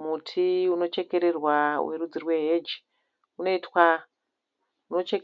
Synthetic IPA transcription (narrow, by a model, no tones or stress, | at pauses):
mutʰiuno̞t͡ʃe̞ke̞ɾerwa̰weɾud͡zirwe̞ɦed͡ʒ | uno̞itwa | uno̞t͡ʃek